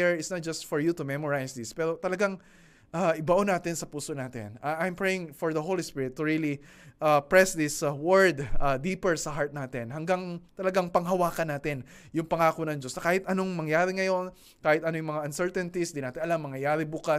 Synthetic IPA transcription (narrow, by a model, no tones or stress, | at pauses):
ɛɹɪsnɐt̪̚d͡ʒɐst̪fɔɹjut̪ʊmɛmoɹajsd̪ɪspɛːɾo̞t̪ɐlɐɡaŋ | ʔaʔɪbɐʔonaːt̪ɪnsɐpuːsonaːt̪ɪ̰naʔajmpɹɛjɪŋfɔɹðɐɦowlispɪɹɪt̪ːʊɹili | ʔapɹɛsðɪswɛɹd̪ad̪iːpɛɹsɐɦaɹt̪̚naːt̪ɪnɦɐŋɡaŋt̪ɐlɐɡaŋpɐŋɦɐwaːkɐnaːt̪ɪn | jʊŋpɐŋaːkonɐŋd͡ʒo̞snɐkaːhɪt̪ɐno̞ŋmɐŋjaːɾɪŋɐjo̞n | kaːhɪt̪ʔɐnojʊŋmɐŋaʔɐnsɛɹt̪ɛnt̪isd̪ɪnaːt̪ɪnɐlamːɐŋjɐjaːɾɪbuːkɐ